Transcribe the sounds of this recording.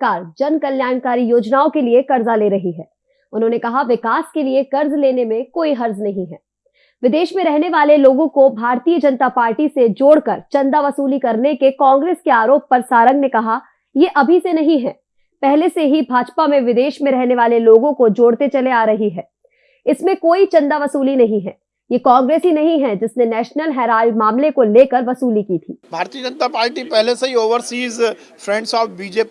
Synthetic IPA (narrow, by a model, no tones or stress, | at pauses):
kaːɾd͡ʒɐnkɐljaːnkaːɾijoːd͡ʒnaːõkeliekɐɾzaleːɾɐɦiɦɛː | ʊnɦõːnekɐɦaʋɪkaːskeliekɐɾzleːnemẽkoːiɦɐɾznɐɦĩɦɛː | ʋɪd̪eːʃmẽɾɛɦneʋaːleloːɡõkobʱaːɾt̪ijəd͡ʒɐnət̪apaːɾʈised͡ʒoːɽkɐɾt͡ʃɐ̃nd̪aʋɐsuːlikɐɾnekekɔ̃ːŋɡɾeːskeaːɾoːp̚ːɐɾsaːɾə̃ŋɡnekɐɦa | jeʔɐbʱisenɐɦĩɦɛː | pɛɦleseɦibʱaːd͡ʒpamẽʋɪd̪eːʃmẽɾɛɦneʋaːleloːɡõkod͡ʒoːɽt̪et͡ʃɐleaːɾɐɦiɦɛː | ɪsmẽkoːit͡ʃɐ̃nd̪aʋɐsuːlinɐɦĩɦɛː | jekãːŋɡɾeːsɦinɐɦĩɦɛd͡ʒɪsnenɛːʃnəlɦɛːɾaːlmaːmlekoleːkɐɾʋɐsuːlikiːt̪ʰiːbʱaːɾt̪iəd͡ʒə̃nt̪apaːɾʈipɛɦleseɦioːʋəɾsiːz | fɾɛ̃ɳɖsɔːfbiːd͡ʒeːp